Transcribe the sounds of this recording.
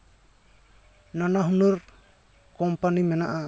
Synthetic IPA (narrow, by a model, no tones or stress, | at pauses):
nanaɦunuɾ | kɔmpanimɛnaʔa